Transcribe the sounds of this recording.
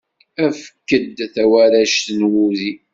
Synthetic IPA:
æfəkːəd̪θæwæɾæʃt̪nwuði

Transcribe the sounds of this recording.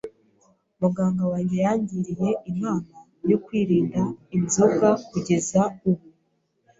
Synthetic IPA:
muɡaːŋɡawajijaːɲɟiɾije̞ʔimaːna | jo̞kwiːɾiːndainzokakuɟe̞zauβu

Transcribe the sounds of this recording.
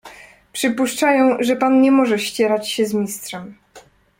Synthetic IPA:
pʂɘpuʂt͡ʂajɔ̃w̃ʐɛpanɲɛmɔʐɛɕt͡ɕɛɾat͡ɕɕɛzmʲist̪ʂɛm

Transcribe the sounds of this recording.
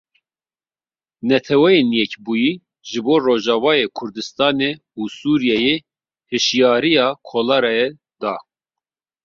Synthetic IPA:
nɛt̪ʰɛwɛjenjɛcbuːjiː | ʒɨboːroːʒɑːvɑːjeːkʰʊɾd̪ɨst̪ɑːneː | usuːɾijɛjeː | hɨʃjɑːɾijɑːkʰolɑɾɛjɛ | d̪ɑː

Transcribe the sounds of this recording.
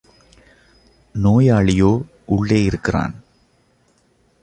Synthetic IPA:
noːjaːɭijoː | uɭːeːjɪɾɯkːɨra̰ːn

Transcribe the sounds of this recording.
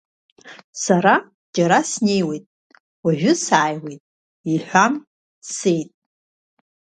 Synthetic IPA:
saɾa | d͡ʒaɾasne̞jwe̞jtʼ | waʒʷᶣʊsaːjwejtʼ | iħʷam | se̞jtʼ

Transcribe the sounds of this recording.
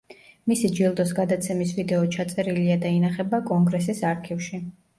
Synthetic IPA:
misid͡ʒilˠd̪ɔsɡad̪at̪sʰɛmisvid̪ɛɔt͡ʃʰat̪sʼɛɾiliad̪ainaχɛbakʼɔŋɡɾɛs̬isaɾkʰifʃi

